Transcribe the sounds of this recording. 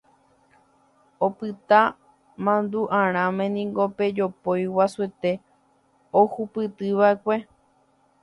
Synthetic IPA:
opɨt̪a | mãnd̪uʔãɾ̃ãmẽnĩŋɡo̞pe̞d͡ʒo̞pojwasue̞t̪e̞ | ohupɨt̪ɨʋaekʷe̞

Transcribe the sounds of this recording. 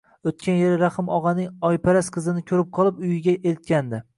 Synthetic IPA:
ot̪kʲʰanjeɾɾaχɨmɒʁɑnɪŋɒjpʰaɾasqʰɨzɪnɪkʲʰɵɾɪp̚qʰɒlˠɪpʊjɪɡʲaʔelt̪̚kʲand̪ɪ

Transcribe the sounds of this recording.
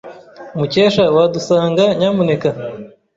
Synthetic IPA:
umuceːʃawadusaːŋɡaɲaːmune̞ka

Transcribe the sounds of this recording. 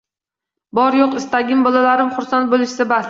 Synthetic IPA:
bɒɾjoqɪst̪aɡʲɪmbɒlˠalaɾɪmχʊɾsant̪̚bolˠɪʃsɪbas

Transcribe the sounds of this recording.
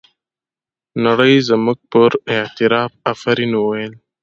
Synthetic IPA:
naɽəjzmuk̚pəɾɪht̪ɪɾɑːfafaɾinwajəl

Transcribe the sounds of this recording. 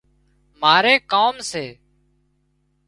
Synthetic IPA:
maːɾeːkaːmseː

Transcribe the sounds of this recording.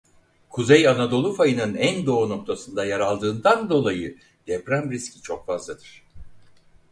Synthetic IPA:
kʰuzejanad̪o̞lˠufajɯnɯnænd̪o̞uno̞k̚t̪ʰasɯnd̪ajaɾalˠd̪ɯːnd̪and̪o̞lˠajɯ | d̪̥ɛpɾæmɾiscʰit͡ʃʰo̞kfazlˠad̪̥ɯɾ̥

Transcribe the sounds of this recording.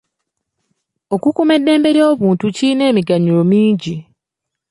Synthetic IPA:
o̞kukume̞dːe̞ːmbe̞ɾio̞ːβuːntuciine̞ːmiɡaɲulo̞miːɲɟi

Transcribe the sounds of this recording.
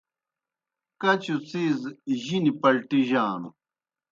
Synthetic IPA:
kɐt͡ɕut͡sizʑinipɐlʈiʑaːnu

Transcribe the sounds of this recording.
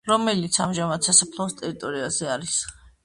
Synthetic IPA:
ɾɔmɛlit̪sʰamʒamad̪sasapʰlˠɔɔst̪ʼɛɾit̪ʼɔɾiazɛaɾis

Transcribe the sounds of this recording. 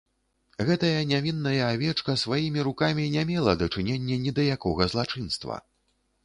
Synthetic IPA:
ɣɛt̪ɐjɐnʲavʲinːɐjɐavʲɛt͡ʂkɐsvajimʲiɾukamʲinʲamʲɛlˠɐd̪ɐt͡ʂɨnʲenʲːɛnʲid̪ɐjakɔɣɐzlˠat͡ʂɨnst̪vɐ̰

